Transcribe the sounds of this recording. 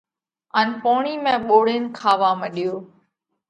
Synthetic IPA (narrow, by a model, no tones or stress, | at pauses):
ənpoːɳ̃iːmẽːɓoːɽen̆kʰaːʋaːməɗijoː